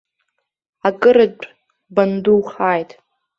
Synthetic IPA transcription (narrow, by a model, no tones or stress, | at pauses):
akʼɨɾɨt͡ʃʷʼ | banduwχaːjtʼ